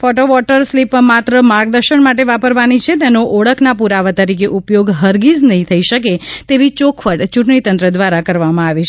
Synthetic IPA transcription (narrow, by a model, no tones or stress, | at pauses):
fɔʈoʋɔʈəɾslipmat̪ɾəmaɾɡ̚d̪əɾʃəɳmaʈ̬eʋapəɾʋanit͡ʃʰet̪̬enoʔɔɭəkʰnapuɾaʋat̪əɾikeʔupjoɡɦəɾɡid͡ʒnəɦĩt̪ʰəiʃək̬et̪eʋit͡ʃokʰʋəɽt͡ʃũʈɳit̪ə̃nt̪ɾəd̪ʋaɾakəɾʋamãaʋit͡ʃʰ